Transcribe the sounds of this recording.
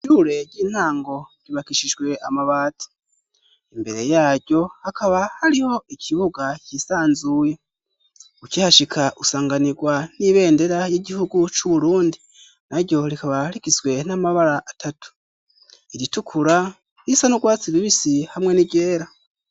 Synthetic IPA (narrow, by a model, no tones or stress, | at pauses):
uːɾe̞ɟiːn̥aːŋɡo̞ɟ̥iβakiʃiʒɡwe̞amaβaːtʰi̥ | imbe̞ɾe̞jaːɾɟo̞hakaβahaɾiho̞icʰiβuɡacisaːnzuːje̞ | ucihaʃikʰaʔusaːŋɡaniɡwaniβe̞ːnde̞ɾajiɟihuɡut͡ʃuβuɾuːndi | naɾɟo̞ɾikaβaɾikizɡwe̞namaβaɾaʔːtʰatu̥ | iɾitukʰuɾa | isanuɡwaːt͡siβiβisihamŋe̞niɟe̞ːɾa